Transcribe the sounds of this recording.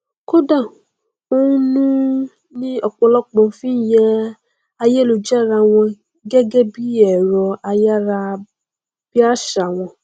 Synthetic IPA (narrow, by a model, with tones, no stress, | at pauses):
ko˦dã˦˨ | o˦ũ˦nũ˦ | nĩ˦ɔ˨k͡pɔ˧lɔ˦k͡pɔ̃˧˨˦fĩ˦n˦jɛ˦ | a˧je˦lo˧d͡ʒɛ˦˨ɾa˧˨w̃ɔ̃˧ | ɡɛ˦ɡɛ˦bi˦ɛ˨ɾɔ˨˧a˧ja˦ɾa˧ | b̥i˦a˦ʃa˨w̃ɔ̃˧